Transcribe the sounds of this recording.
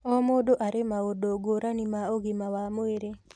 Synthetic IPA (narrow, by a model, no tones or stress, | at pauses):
ɔmodoʔaɾemaodoɡoɾanimaoɡɪmawamoeɾe